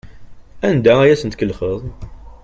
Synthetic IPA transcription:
ænd̪ææjæsənt̪kəlχəðˤ

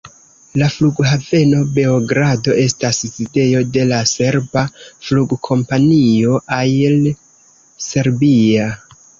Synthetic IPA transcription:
lafluɡɦave̞no̞be̞oɡɾado̞ʔe̞staszide̞jo̞de̞lase̞ɾbafluɡkʰo̞mpanio̞ʔajel | se̞ɾbia

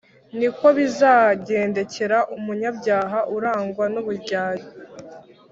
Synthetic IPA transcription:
niko̞βizaːɟeːnde̞ce̞ɾaʔumuɲabɟaːɦaʔuɾaːŋɡwanuβuɾɟaːjo

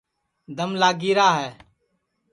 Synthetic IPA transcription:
d̪əmlaːɡiːɾaːɦɛː

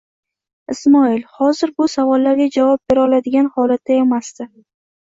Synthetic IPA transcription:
ɪsmɒɪlhɒzɪɾbʊsavɒlːaɾɡʲad͡ʒavɒp̚be̞ɾɒlad̪ɪɡʲanhɒlat̪ːae̞masd̪ɪ

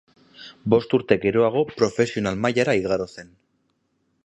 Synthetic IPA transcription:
bo̞st̪uɾt̪e̞ɡe̞ɾo̞aɣ̞o̞pɾo̞fe̞sio̞nalmajaɾaiɣaɾo̞se̞n

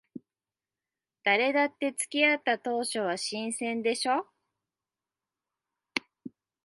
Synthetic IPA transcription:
d̪̥aɾe̞d̪at̪ːe̞t͡sɨ̥kʲiat̪ːat̪o̞ːɕo̞βaɕĩɰ̃sẽ̞nd̪e̞ɕo̞

